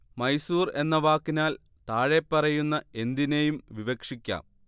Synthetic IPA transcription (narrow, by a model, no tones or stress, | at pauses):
mɐjsuːre̞nːɐʋaːkːinaːl | t̪aːɻe̞pːɐrɐjunːɐe̞nd̪inejumʋiʋɐkʂikʲːa̰ːm